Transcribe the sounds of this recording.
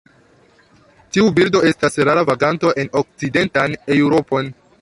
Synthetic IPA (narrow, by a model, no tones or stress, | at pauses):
tiubildo̞e̞stasɾaɾavaɡanto̞ʔe̞no̞k̚t͡side̞ntane̞uɾo̞po̞n